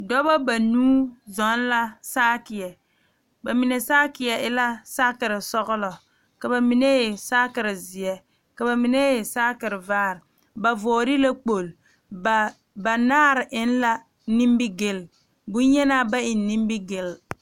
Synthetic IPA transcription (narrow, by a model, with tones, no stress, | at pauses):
dɔ˦bɔ˦ba˨nuː˦zɔ˨˦n˦la˦saː˦kɪ˨jɛ˨ | ba˨mɪ˨nɛ˨saː˦kɪ˨jɛ˨ʔɪ˦la˦sa˦kɪ˨ɾɪ˨sɔ˦ɣʊ˦lɔ˨ | ka˨ba˨mi˦ne˦je˨saː˦kɪ˨ɾɪ˨zɪ˨jɛ˨ | ka˨ba˨mɪ˨ne˦je˨saː˦kɪ˨ɾɪ˨vaː˦˨ɾ | ba˨vɔː˨ɾɪ˦la˦k͡po˨l | ba˨ | ba˨naː˦ɾɪ˨ʔɪ˨˦n˦la˦ | ni˦m˦bɪ˦ɡɪ˦l | bʊ˦n˦jɛ˦naː˦ba˦ɪ˨nːi˦m˦bɪ˦ɡɪ˨l